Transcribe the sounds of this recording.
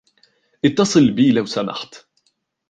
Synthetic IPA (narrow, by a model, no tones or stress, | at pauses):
ʔɪt̪ːɑsˤɨlbiːlawsama̰ħt̪